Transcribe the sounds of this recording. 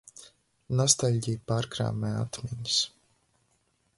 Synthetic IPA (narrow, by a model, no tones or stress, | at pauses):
nɔst̪alʲɟijpaɾkɾa̰ːmɛːat̪mʲiɲs